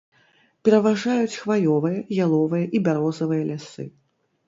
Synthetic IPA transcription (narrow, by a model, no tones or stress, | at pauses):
pʲɛɾɐvaʐajut͡sʲxvalɔvɨjɐjalˠɔvɨjɐʔibʲaɾɔzɐvɨjɐlʲasɨ